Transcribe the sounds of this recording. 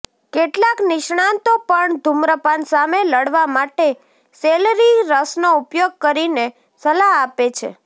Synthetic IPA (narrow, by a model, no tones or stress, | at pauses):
keʈlaknɪʃɳ̃ant̪opəɳd̪ʱumɾəpansameləɽʋamaʈe | selɾiɾəsnoupjoɡ̚kəɾine | səlaɦapet͡ʃʰḛ